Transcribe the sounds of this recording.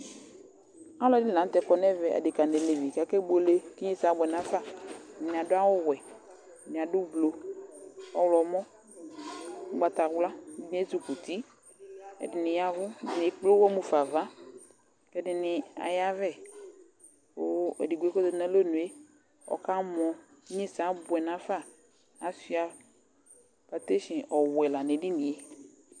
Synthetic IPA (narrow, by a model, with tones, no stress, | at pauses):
a˦lɔ˨˦dɪ˦lã˨˦t̪ɛ˨kɔ˨nɛ˦vɛ˨ʔa̰˨dɪ˨ka˨ne˨le˨vi˨kɛ˨˦kɛ˦bo˨le˨ki˦ɲe˦sa˨˦bɛ˨nã˨fa˦˨nɪ̃˨a˨dʊ˦a˦wʊ˦wɛ˨ | nɪ̃˨a˨dʊ˦blo˨ | ɔ˦wlɔ˨˦mɔ̃˦ | ɡ͡ba˨t̪a˨wla˦i˦n˦e˦tu˨ku˨t̪i˦ | ɛ̰˨dɪ˨nɪ˨ja˨vʊ˦˨n˨e˨k͡plo˦wɔ˦mu˨fa˨va˦ | kɛ˦dɪ˨nɪ˨a̰˨ja˦vɛ˦˨ | o˦e˨di˨ɡu˦e˦ko˦do˨nɛ̃˦lo˦˨nũ˨e˦ | ɔ̰˨ka˦mɔ̃˨˦ | ɲẽ˦sa˨˦bʊ˨ɛ˨nã˨˦faː˦˨ | si˦a˨ | pa˨t̪e˦ʃɪ̃˨ʔɔ˨wɛ˨la˨nɪ̃˨dɪ˦nĩ˨e˦